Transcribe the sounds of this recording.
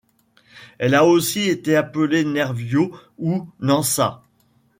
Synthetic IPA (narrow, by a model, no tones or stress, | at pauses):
ɛlaosiet̪eapəlenɛʁvjounɑ̃sa̰